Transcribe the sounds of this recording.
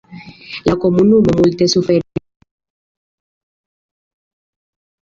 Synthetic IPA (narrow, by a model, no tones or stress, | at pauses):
lakomunumamult̪esufe